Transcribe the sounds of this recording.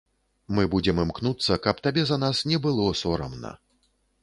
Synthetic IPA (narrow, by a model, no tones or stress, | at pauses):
mɨbud͡zʲɛmɨmknut̪sːɐkɐpt̪abʲɛzɐnasnʲɛbɨlˠɔsɔɾɐ̰mnɐ̰